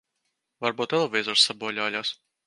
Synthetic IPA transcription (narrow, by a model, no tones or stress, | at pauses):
vaɾbuːt̪ɛlˠvʲiːzɔɾsːabuɔlʲaːlʲas